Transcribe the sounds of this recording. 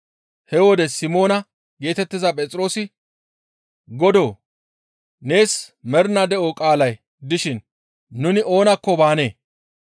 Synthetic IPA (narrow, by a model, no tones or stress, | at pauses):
hɛwɔd̪ɛsɪmo̞ːnɐ | ɡe̞ːt̪ɛt̪ːɪzɐpʼɛt͡sʼɪɾo̞ːsɪ | ɡɔd̪o̞ː | ne̞ːsmɛɾnɐd̪ɛʔɔkʼaːlɐj | d̪ɪʃɪnː | ʊnɪʔo̞ːnɐkːɔbaːne̞ː